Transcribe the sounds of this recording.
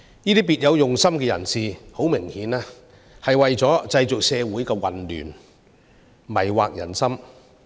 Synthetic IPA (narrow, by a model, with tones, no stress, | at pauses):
niː˥t̪iː˥piː˨t̚jɐ˨˧wjʊ˨ŋsɐ˥mkɛː˧jɐ̰˨˩nsiː˨ho˨˥wmɪ˨˩ŋhiː˨˥naː˧˥ | hɐ˨jwɐ˨jt͡sɔː˨˥t͡sɐ˧jt͡sʊ˨k̚sɛː˨˧wuː˨˥jkɛː˧wɐ̰˨nly̰ː˨˩n | mɐ˨˩jwaː˨k̚jɐ̰˨˩nsɐ˥m